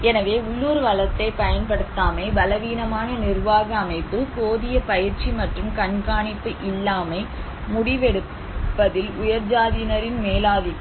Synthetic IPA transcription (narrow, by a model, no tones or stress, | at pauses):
ɛnɐʋeːʊɭːuːɾʋɐlɐt̪ːɐɪpɐjɐnpɐɽɯt̪ːaːmɐɪbɐlɐʋiːnɐmaːnɐnɪrʋaːɣɐɐmɐɪpːɯkoːðɪjɐpɐjɪɾt͡ʃimɐʈrɯmkɐnkaːɳɪpːɯʔɪlːaːmɐɪ | mʊɽɪʋɛɽɯpː | ɐðɪlʊjɐɾd͡ʒaːðɪnɐɾɪnmeːlaːðɪ